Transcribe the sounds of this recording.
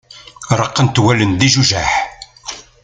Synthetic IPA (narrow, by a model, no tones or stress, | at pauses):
ɾˤəqːənt̪wælənd̪iʒuʒæħ